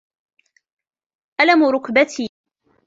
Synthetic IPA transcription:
ʔalamʊɾˤʊkbat̪ʰiː

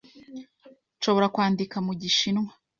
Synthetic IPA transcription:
nʃo̞βo̞ɾakwaːndikamuɟiʃinŋwa

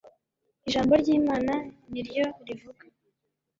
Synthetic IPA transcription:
iʒaːmbo̞ɾɟiːmaːnaniɾjo̞ɾivuɡa

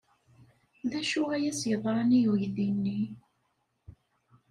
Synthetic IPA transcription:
ðæʃʊʁæjæsjəðˤɾˤɑnijwəjðinːi

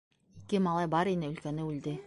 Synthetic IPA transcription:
ikɘmɑlˠɑjbɑɾinɘɵ̆lkænɘʉld̪ɘ

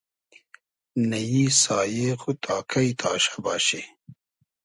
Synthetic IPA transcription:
nɐjisɑːjexut̪ʰɑːkʰajt̪ʰɑːʃḁbɑːɕe

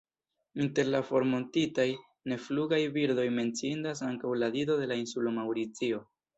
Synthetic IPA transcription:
inte̞ɾlafo̞ɾmo̞ntitaj | ne̞fluɡajbiɾdo̞jme̞nt͡siindas̬aŋkawladido̞de̞lainsulomawɾit͡sio̞

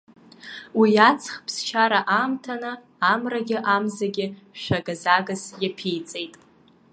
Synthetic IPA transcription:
wijat͡sʰχpʰst͡ʃʰaɾaʔaːmtʰanɨ | amraɡʲɪʔamzaɡʲɪ | ʃʷᶣaɡazaɡasjapʰijt͡sʼejtʼ

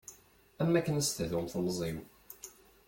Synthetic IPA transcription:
æmːækːənæst̪əðumθmzˤim

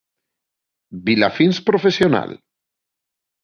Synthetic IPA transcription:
bila̰finspɾofesiona̰l

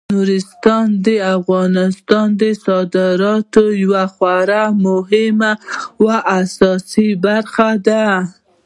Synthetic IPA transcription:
nuɾɪst̪ɑnd̪əafɣɑnɪst̪ɑnd̪əsɑd̪ɪɾɑt̪ojwaxwaɾamʊɦɪmawaʔasɑsibaɾxad̪a

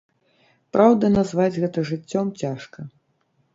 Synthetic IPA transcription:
pɾawd̪ɐnazvad͡zʲɣɛt̪ɐʐɨt͡sʲːɔmt͡sʲaʂkɐ

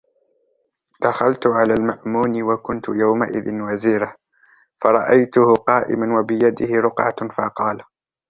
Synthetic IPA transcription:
d̪̥axalt̪ʊʕalaːlmaʔmuːnɪwakʊnt̪ʊjawma̰ʔɪ̰ðɪnwaziːɾa | fɑɾˤɑʔajt̪ʊhʊqɑːʔɪ̰manwabɪjad̪ɪhɪɾʊqʕafɑqɑːl

